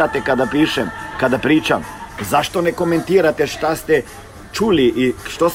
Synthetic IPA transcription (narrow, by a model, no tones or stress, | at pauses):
at̪ɛkad̪apiːʃɛmkad̪apɾiːt͡ʃamzaʃt̪onɛkomɛnt̪iːɾat̪ɛʃt̪ast̪ɛ | t͡ʃuːliʔiʃt̪os